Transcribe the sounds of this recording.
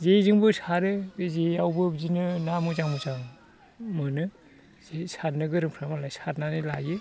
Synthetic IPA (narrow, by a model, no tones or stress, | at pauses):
zezɯŋbɯsʰaɾɯbezeawbɯbzinɯnamuzaŋmuzaŋ | mɯnɯ | zesatnɯɡɯɾɯŋpʰɾamalajsatnanɯla̰jɯ